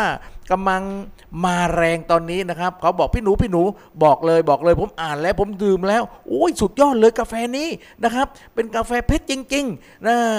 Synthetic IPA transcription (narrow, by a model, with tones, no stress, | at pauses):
ka˧mla˧ŋ | maː˧ɾɛː˧ŋt̪ɔː˧nːiː˦˥na˦˥kʰa˦˥p̚kʰa˦˥wbɔː˨˩k̚pʰiː˥˩nuː˨˦pʰiː˥˩nuː˨˦˥ | bɔː˨˩k̚lɤː˧jbɔː˨˩k̚lɤː˧jpʰo˩˦mʔaː˨˩nlɛː˦˥wpʰo˩˦mdɯː˨˩mlɛː˦˥wʔoː˦˥jsu˨˩t̪̚jɔː˥˩t̪̚lɤː˧jkaː˧fɛː˧niː˦˥˩ | na˦˥kʰɾa˦˥p̚ːe˧nkaː˧fɛː˧pʰe˦˥t̪̚t͡ɕi˧ŋt͡ɕi˧ŋ | naː˧˩